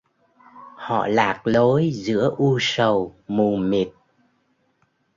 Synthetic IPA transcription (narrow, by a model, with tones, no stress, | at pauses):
hɔ̰˧˨laː˨˩k̚lo˨˦jzɨ̰˧˥əʔu˧sə˨˩wmu˨˩mi˨˩t̚